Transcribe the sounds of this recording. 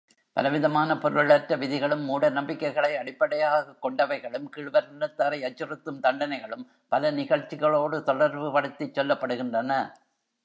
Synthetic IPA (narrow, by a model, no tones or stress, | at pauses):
pɐ̰lɐʋɪðɐmaːnɐpɔɾɯɭɐʈɾɐʋɪðɪɣɐɭɯmːuːɽɐnɐmbɪkːɐɪɣɐɭɐɪɐɽɪpːɐɽɐjaːɣɐkːɔɳɖɐʋɐɪɣɐɭɯmkɪɻʋɐɾnɐt̪ːɐɾɐɪɐt͡ʃːɪɾɯt̪ːɯmt̪ɐɳɖɐnɐɪɣɐɭɯm | pɐlɐnɪɣɐɻt͡ʃːɪɣɐɭoːɽɯt̪ɔɽɐɾʋɯpɐɽɯt̪ːit͡ʃːɛlːɐpːɐɽɯɣɪndrɐnɐ